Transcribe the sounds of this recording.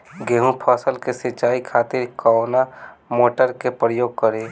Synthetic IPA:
ɡeːɦũpʰɔːsəlkesɪt͡ʃaːikʰaːt̪ɪɾkɔnamoːʈəɾkepɾəjoːɡ̚kəɾe

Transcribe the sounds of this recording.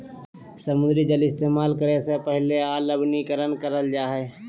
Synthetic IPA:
səmʊ̃d̪ɾid͡ʒəlɪst̪eːmaːlkəɾesepəɦleaːləbnikəɾənkəɾəld͡ʒaːɦɛː

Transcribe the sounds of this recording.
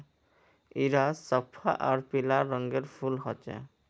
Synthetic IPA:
iɾasɔpʰːa̰ʔaɾpilaɾɔŋɡeɾfʰulɦɔt͡ɕḛ

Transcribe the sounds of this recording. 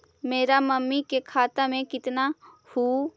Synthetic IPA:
meːɾaməmːikekʰaːt̪amẽkɪt̪na | huː

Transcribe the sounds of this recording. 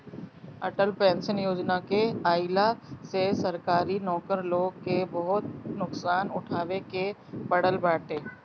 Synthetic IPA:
ɐʈəlpɛ̃ːnsənjoːd͡ʒnakeaːɪlasesɐɾkaːɾinɔːkəɾloːɡ̚kebɐɦʊt̪̚nʊksaːnʊʈʰaːʋekepɐɽəlbaːʈẽː

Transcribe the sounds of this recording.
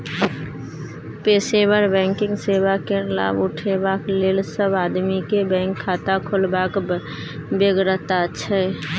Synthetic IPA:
peːsebəɾbɛ̃ŋkɪ̃ŋɡsebakela̰bʊʈʰebakleːlsəbad̪mikebɛ̃ŋkʰːaːt̪akʰolbak | beɡɾət̪aəʃʰɛ

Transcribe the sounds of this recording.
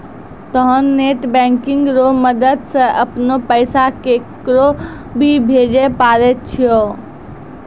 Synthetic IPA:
t̪ɔɦənːeʈbɛ̃ŋkiŋɡɾoməd̪əd̪sə̃ʔəpnopəɪsakekɾo | bʱibʱed͡ʒepaɾɛt̪̚t͡ʃʰijo

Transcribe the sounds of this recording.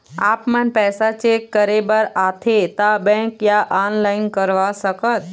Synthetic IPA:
aːpmənpɛːsat͡ʃekːəɾebəɾaːt̪ʰet̪abɛ̃kjaʔaːnlaːɪnkəɾʋasəkət̪

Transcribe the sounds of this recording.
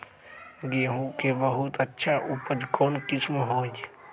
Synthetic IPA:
ɡeɦũkebəɦut̪ətːʃʰaʔupəd͡ʒkoːnkɪsmɦoːd͡ʒ

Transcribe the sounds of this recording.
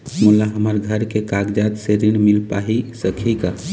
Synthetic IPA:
mulaɦəməɾɡʱəɾkekaɡd͡ʒat̪seɾiɽmilpaɦisəkʰika

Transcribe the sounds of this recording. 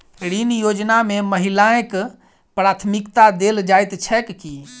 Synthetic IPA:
ɽinjod͡ʒnameməɦilaek | pɾat̪ʰmikt̪ad̪eld͡ʒajt̪t͡ʃʰɛkki

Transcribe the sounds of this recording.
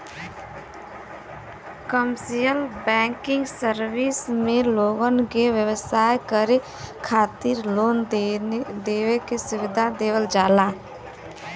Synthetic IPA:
kəmsijəlbɛŋkɪŋɡsəɾbismẽloɡənkewjəwəsaːjkəɾe | kʰaːt̪ɪɾlon | d̪eːwekesʊwɪd̪ʱad̪eːwəld͡ʒaːla

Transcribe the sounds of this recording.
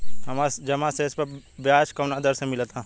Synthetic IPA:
ɐmad͡ʒɐmaseɪspɐbjaːt͡ʃkɐnad̪əɾsẽmɪlt̪a

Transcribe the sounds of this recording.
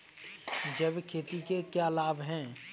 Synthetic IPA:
d͡ʒɐbkʰeːt̪ikekjalaːbʱɦɛ̃ː

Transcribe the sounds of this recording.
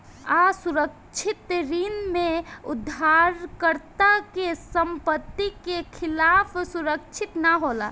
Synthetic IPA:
asuɾək̚ | t͡ʃʰɪt̪ɾimmẽʊ̰d̪ʱːaɾkəɾt̪akesəmpət̪ːikekʰɪlaːpʰsuɾək̚t͡ʃʰɪt̪naɦola̰

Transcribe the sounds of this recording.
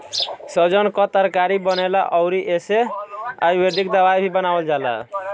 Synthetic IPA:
sɔd͡ʒɔnkɔt̪aɾkaɾibɔnela̰ʔɔʊɾiʔesea̰jweɖikd̪awajbʱibɔnawɔld͡ʒala̰

